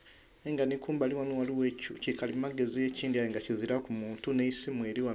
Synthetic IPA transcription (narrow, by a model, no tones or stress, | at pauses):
eŋɡanikuːmbaliwanuwaliwecucikalimaɡe̞zije̞ciːndiajeŋɡaciziɾakumuːntuneisimweːɾiwa